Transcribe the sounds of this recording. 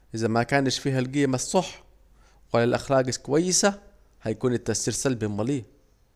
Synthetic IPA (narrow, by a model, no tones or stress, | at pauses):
ʔɪzæmækæːnɪʃfiːhælɡeːmæsˤːɑħ | walælʔæxɾæːɡɪkowæjːɪsæ | hæjækuːnɪt̪ːæʔsiːɾsælbilmɑliː